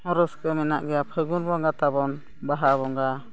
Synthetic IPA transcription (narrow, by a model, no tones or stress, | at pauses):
ɔɾɔskəmɛna̰ʔɡɛjapʰəɡunbɔŋɡat̪aβɔn | baɦaβɔŋɡa